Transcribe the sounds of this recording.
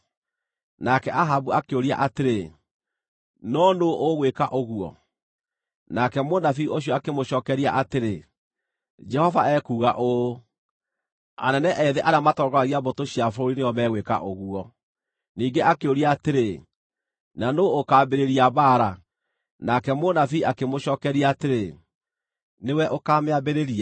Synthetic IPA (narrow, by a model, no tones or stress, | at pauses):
nakɛʔaɦabuakeoɾia̰ʔateɾe | nɔnoʔːɣwekaʔoɣuɔ̰ | nakɛmondafioɕ̬jɔakemoɕɔːkɛɾia̰ʔateɾe | d͡ʒɛhɔvaɛkuːɣaʔo | a̰nɛnɛʔɛðeʔaɾamatɔːɡwaɣiaβotoɕiafoɾineɔmɛːɣweka̰ʔoɣuɔ | niːŋɡeʔakeoɾiaːteɾe | nanoːkaːbeɾeɾiaβaɾa | nakɛmonafiakemoɕɔːkɛɾiaːteɾe | newɛʔokaːmeabeɾeɾia